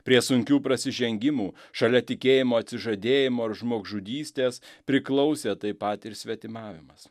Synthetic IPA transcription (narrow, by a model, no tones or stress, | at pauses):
pʲɾʲiɛsʊŋʲkʲuːpɾɐsʲɪʒʲɛŋʲɡʲɪmuːʃɐlʲɛt̪ʲɪkʲeːjɪmoːɐt̪ʲsʲɪʒɐd̪ʲeːjɪmoːɐɾʒmoːɡʒʊd̪ʲiːsʲt̪ʲeːspʲɾʲɪklˠɒʊsʲeːt̪ɐɪpɐt̪ɪɾsʲʋʲɛt̪ʲɪmɑːʋʲɪmɐs